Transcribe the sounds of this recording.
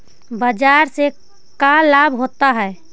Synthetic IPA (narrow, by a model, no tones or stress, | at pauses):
bəd͡ʒaːɾse | kalaːbʱɦoːt̪aɦɛː